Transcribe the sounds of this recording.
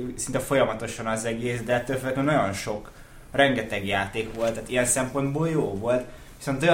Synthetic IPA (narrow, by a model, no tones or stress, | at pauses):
sint̪ɛfo̞jɒmɒt̪o̞ʃɒnɒzɛɡeːsd̪ɛɛt̪ːøːlføɡɛt̪ønɒjo̞nʃo̞k | rɛŋɡɛt̪ɛɡjaːt̪eːkʋo̞lt̪ːaːt̪ijɛnsɛmpo̞nd̪boːljoːvo̞lt̪ | ʋi̥so̞nt̪oj